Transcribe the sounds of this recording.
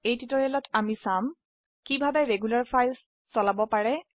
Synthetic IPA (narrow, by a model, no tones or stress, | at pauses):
ejtitɔɹalɔtʰamisam | kibʱabɛɹeɡulaɹpʰajlsː | ɔlabɔpaɹɛ